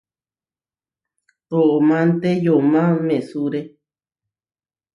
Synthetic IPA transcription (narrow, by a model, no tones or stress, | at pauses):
oʔomãnt̪ejomãmẽsuɾe